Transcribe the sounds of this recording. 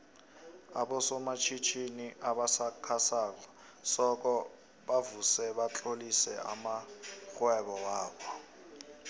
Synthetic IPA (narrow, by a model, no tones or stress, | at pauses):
a̰ɓɔsɔmat͡ʃʰit͡ʃʰiniʔaɓasakʰasaːk̬ɔ | sɔk̬ʼɔ | ɓavusɛɓat͡ɬʼolisɛ̰a̰maxwɛɓɔwaːɓɔ